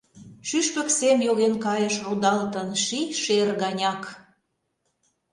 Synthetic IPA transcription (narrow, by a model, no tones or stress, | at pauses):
ʃyʃpə̆ksemjoɣenkɑjəʃrud̪ɑlt̪ənʃiʃerɣɑnʲɑk